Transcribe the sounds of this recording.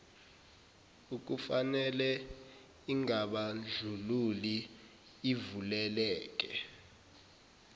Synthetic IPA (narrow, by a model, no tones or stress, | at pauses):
uk̬ufanɛlɛ | iŋaɓaɮd͡ɮʱululi | ivulɛlɛːk̬ʼɛ